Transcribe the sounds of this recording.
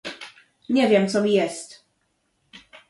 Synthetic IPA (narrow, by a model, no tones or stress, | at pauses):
ɲɛvʲjɛmt̪sɔmʲijɛst̪